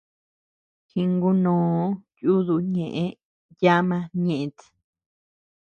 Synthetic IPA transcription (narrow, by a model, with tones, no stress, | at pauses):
hi˧ŋɡu˦nõː˨˦ju˦ðu˧ɲẽ˨ʔẽ˦ | ja˦mã˧ɲẽ˨ʔẽ˧t̪